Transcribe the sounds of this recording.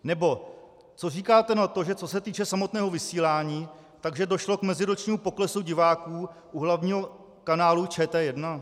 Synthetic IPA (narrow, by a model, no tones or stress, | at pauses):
nɛbo̞ | t͡so̞riːkaːt̪ɛnat̪o̞ʒɛt͡so̞s̬ɛt̪iːt͡ʃɛsamo̞t̪nɛːɦo̞vɪsiːlaːɲiː | t̪aɡʒɛdo̞ʃlo̞kmɛzɪɾot͡ʃɲiːmupo̞klɛsuɟɪvaːkuːʔuɦlavɲiːɦo̞ | kanaːlut͡ʃɛːt̪ɛːjɛdna